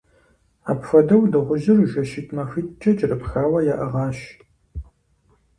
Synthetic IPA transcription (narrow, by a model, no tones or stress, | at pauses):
aːpfɐdɐwdɨʁʷʊʒɪrʒɐʃitʰʼmɐxɨtt͡ʃʼɐt͡ʃʼɪrɨpxaːwɐjaːʔɐʁɑːɕ